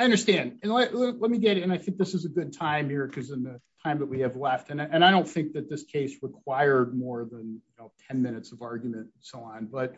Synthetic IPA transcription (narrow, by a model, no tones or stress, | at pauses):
aɪʌ̃ndə˞stæ̃ndɨ̃nlɛllɛt̚miɡɛɾɨ̃naɪθɪ̃ŋk̚ðɪsɨzɨɡʊd̚tʰãɪ̃mhiɹkʰʌzɨ̃nðɨtʰãɪ̃mðəʔ̚wiɨvlɛftɨ̃nɨ̃ɾ̃aɪɾõʊ̃nθɪ̃ŋk̚ðɨt̪̚ðɪskʰeɪsɹəkʰw̥aɪə˞d̚mɔɹðə̃njɨnoʊtʰɛ̃nmɪ̃ñɨtsʌvɑɹɡjmɨ̃ntn̩soʊɑ̃nbʌt̚